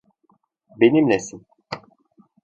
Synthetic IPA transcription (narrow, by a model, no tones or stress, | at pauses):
benimlʲɛsin